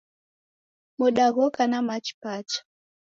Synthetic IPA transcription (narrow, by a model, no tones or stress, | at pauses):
mɔɗaɣɔkanamat͡ʃi̥pat͡ʃḁ